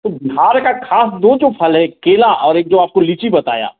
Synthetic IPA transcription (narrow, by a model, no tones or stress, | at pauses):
t̪obɪɦaːɾkakʰaːsd̪oːd͡ʒoːpʰɐlɦɛkeːlaʔɔːɾeːk̚d͡ʒoːaːp̚kolit͡ʃibɐt̪a̰ːja̰ː